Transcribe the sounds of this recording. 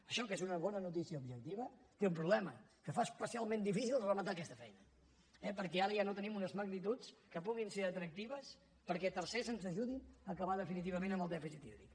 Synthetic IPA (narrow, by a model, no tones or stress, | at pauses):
əʃɔkezunəβɔnənut̪isiəubʒək̚t̪iβət̪eumpɾuβlɛməkəfaspəsialˠmẽnd̪ifisilˠzrəmət̪akɛst̪əfɛjnə | ɛpəɾkɛaɾəjanot̪ənimunəzməɡnit̪ut͡skəpuɣinseɾət̪ɾək̚t̪iβ̞əs | pəɾkɛt̪əɾsezənzəʒuðinəːkəβaðəfinit̪iβəmenəmbəlˠd̪ɛfisit̪ḭɾḭk